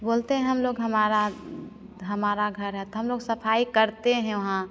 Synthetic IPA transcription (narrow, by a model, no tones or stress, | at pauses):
boːlt̪eɦɛ̃ɦəmloːɡɦəmaːɾa | ɦɐmaːɾaɡʱəɾɦɛt̪oɦəmloːɡsəpʰaːikəɾt̪eɦɛ̃ʋɐɦã